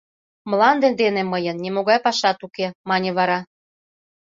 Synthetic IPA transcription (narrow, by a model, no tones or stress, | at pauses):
mlɑnd̪end̪eneməjə̆nːʲemoɣɑjpɑʃɑt̪ukemɑnʲĕβɑɾɑ